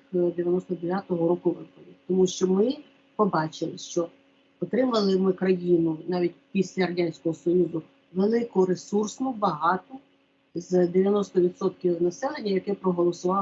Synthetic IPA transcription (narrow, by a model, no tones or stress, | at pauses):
d̪eʋʲjɐnɔst̪ɔd̪eʋʲjat̪ɔɦɔɾɔkʊʋɪpɔʋʲid̪̚ʲt̪ɔmuʃt͡ʃɔmɪ | pɔbɑt͡ʃɪlˠɪʃt͡ʃɔ | ɔt̪ɾɪmʊʋɐlˠɪmɪkɾɐjinʊnɑʋʲit̚ʲpʲisʲlʲɐɾɐdʲanʲsʲkɔɦɔsɔjuzʊ | ʋelˠɪkʊɾesursnʊbɐɦɑt̪ɔ | zd̪eʋʲjɐnɔst̪ɔʋʲid̪sɔt̪̚kʲinɐsɛlˠenʲːɐjɐkɛpɾɔɦɔlˠɔsʊʋɑ